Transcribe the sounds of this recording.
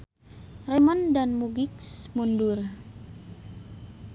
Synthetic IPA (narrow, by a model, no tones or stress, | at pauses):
reməndanmuɡɪksmundʊr